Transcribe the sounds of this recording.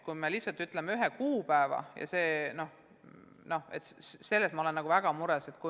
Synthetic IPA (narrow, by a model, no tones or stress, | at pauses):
kujmelihsɑlt̪ːyt̪ːˑlemeyɦekuːpæevɑ̰jɑ̰se̞ːno̞h | no̞he̞t̪sse̞lːe̞smɑolenːɑɡ̥uvæɡ̥ɑmuɾese̞t̪ku